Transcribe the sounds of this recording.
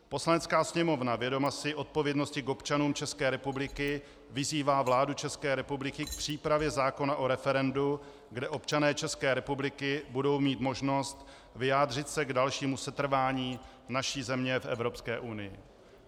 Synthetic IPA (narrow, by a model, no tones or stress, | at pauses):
po̞slanɛt͡skaːsɲɛmo̞vnavjɛdo̞masɪʔo̞t̪̚po̞vjɛdno̞scɪko̞pt͡ʃanuːmt͡ʃɛskɛːɾɛpublɪkɪ | vɪziːvaːvlaːdut͡ʃɛskɛːɾɛpublɪkɪk̚pr̝̥iːpɾavjɛzaːko̞naʔo̞ɾɛfɛɾɛndu | ɡdɛʔo̞pt͡ʃanɛːt͡ʃɛskɛːɾɛpublɪkɪbudo̞wmiːt̪mo̞ʒno̞st̪ | vɪjaːdr̝ɪt̪sɛɡdalʃiːmusɛt̪r̩vaːɲiː | naʃiːzɛmɲɛfʔɛ̰vɾo̞pskɛːʔunɪjɪ̰